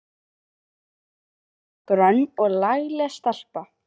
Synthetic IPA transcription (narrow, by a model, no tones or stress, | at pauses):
kɾœnːɔɣlajɣlɛɣast̪al̥pa